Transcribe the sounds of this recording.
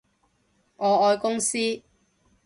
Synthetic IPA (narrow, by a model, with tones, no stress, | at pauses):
ʔɔː˨˧ɔː˧jkʊ˥ŋsiː˥